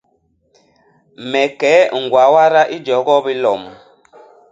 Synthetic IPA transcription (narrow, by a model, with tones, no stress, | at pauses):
mɛ˨kɛ˨˦ŋ̩˨ɡwa˨wa˦ɾa˦ʔi˦d͡ʒɔ˨˦ɡɔ˦bi˦lɔ˨m